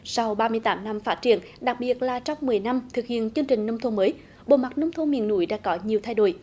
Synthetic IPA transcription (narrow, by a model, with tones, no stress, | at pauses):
sa˧wɓaː˧mɨ˧əjt̪aː˨˦mna˧mfaː˦˥t̚t͡ɕḭ˧˨ən | ɗa˨˩k̚ɓi˨˩ət̚laː˨˩t͡ɕɔ˧wŋ͡mmɨ˨˩əjna˧mt̪ʰɨ˨˩k̚hḭ˧˨ənt͡ɕɨ˧əŋt͡ɕï˨˩ŋ̟nə˧wŋ͡mt̪ʰo˧nməː˨˦j | ɓo˨˩ma˨˩t̚nə˧wŋ͡mt̪ʰo˧nmḭ˧˨ənːṵ˧˥˦jɗa̰ː˧˥kɔ˨˦ɲi˨˩əwt̪ʰa˧jɗo̰˧˩j